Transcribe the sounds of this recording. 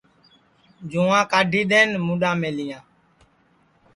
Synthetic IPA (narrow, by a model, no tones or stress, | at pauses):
d͡ʒõːãːkaːɖʱiːɗ̪eːnmũːɗãːmeːlɪjãː